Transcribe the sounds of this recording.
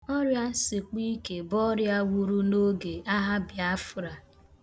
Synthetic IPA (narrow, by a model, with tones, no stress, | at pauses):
ɔ˦ɾja˦sɪ˨k͡pi˦ke˨bɔ˦ɾja˦wu˦ɾu˦no˦ɡe˨a˦ɦa˦bja˦fʊ˦ɾa˨